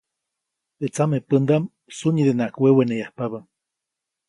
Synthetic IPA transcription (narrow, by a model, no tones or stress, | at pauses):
et͡samepənd̪am | suɲid̪enaʔkwewenejahpaβəm